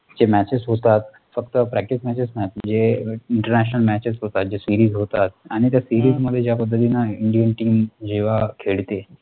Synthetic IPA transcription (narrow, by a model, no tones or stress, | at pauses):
d͡ʑemæt͡ɕesɦot̪at̪̚ | fəkt̪əpɾæk̚ʈismæt͡ɕesmɛt͡ɕd͡ʑeiɳʈəɾnæɕ̬ənəlmæt͡ɕesɦot̪at̪̚d͡ʑesiɾiːzɦot̪at̪̚aɽ̃it̪jasiɾiːzməd̪ʱːjed͡ʑjapəd̪ʱːət̪̬inaiɳɖijənʈiːmd͡ʑeʋakʰeɭt̪e